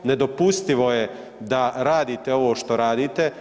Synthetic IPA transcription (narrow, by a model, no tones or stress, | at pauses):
ned̪opust̪iʋo̞je | d̪aɾaːd̪iːt̪eo̞ʋo̞ːʃt̪o̞ɾaːd̪iːt̪e